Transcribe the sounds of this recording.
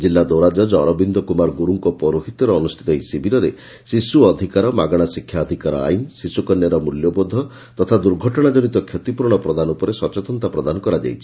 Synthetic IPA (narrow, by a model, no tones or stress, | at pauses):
d͡ʒilːad̪owɾad͡ʒɔd͡ʒɔɾɔbind̪ɔkumaɾɡuɾuŋkɔpɔɾuɦit̪ɔɾɔːnusʈʰit̪ɔisibʱiɾɔɾe | sisuɔd̪ʱikaɾɔmaɡɔɽ̃asikʰjaɔd̪ʱikaɾɔ̰a̰jmsisukɔnjaɾɔmuljɔbod̪ʱːɔ | t̪ɔt̪ʰad̪uɾɡʱɔʈɔɽ̃ad͡ʒɔɽ̃it̪ɔkʰjɔt̪ipuɾɽ̃ɔpɾɔd̪anupɔɾesɔt͡ʃɔt̪ɔnt̪apɾɔd̪anɔkɔɾad͡ʒa̰jt͡ʃʰi̥